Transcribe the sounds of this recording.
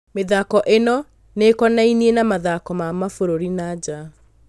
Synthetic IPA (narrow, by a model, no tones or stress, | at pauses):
meðaːkɔʔenɔ | nekɔnainienamaðakɔmamafoɾoɾinad͡ʑa